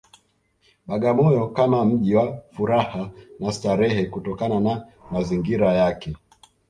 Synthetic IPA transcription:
ɓaɠamɔjɔkamam̩ʄiwafuɾahanastaɾɛhɛkutɔkananamaziŋɡiɾajakɛ

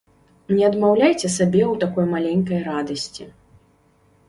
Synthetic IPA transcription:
nʲɛɐd̪mawlʲajt͡sʲɛsabʲɛwt̪akɔjmalʲɛnʲkɐjɾad̪ɐsʲt͡sʲi

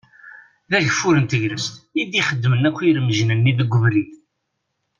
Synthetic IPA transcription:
ðæʝəfːuɾənt̪əʝɾəst̪id̪iχəd̪ːmənækʷːiɾəməʒnənːiðəɡʷːʊvɾiθ

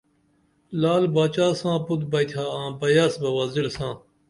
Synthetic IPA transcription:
laːlbaːt͡ɕaːsãːput̪bɐjt̪ʲʰaːãːbɐjaːsbɐwɐzilsãː

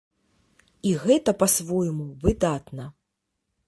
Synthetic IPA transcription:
iɣɛt̪ɐpasvɔjmuvɨd̪at̪nɐ

